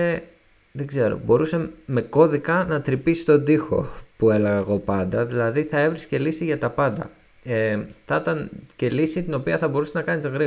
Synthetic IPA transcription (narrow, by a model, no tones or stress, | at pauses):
e | ðeɡze̞ɾo̞̰bo̞ɾuse̞me̞ko̞ðikɐnɐt̪ɾipisst̪o̞d̪ixo̞̰pue̞le̞ɣɐeɣo̞pɐnd̪ɐðilɐðiθɐe̞vɾisce̞lisiʝɐt̪ɐpɐnd̪ɐ̰ | eθɐt̪ɐnce̞lisit̪ino̞piɐθɐbo̞ɾuseznɐkɐnizɣɾi